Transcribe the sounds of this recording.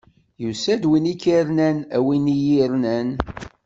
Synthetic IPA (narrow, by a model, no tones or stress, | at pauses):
jusæd̪winikːiɾnænæ̰winijiɾnæn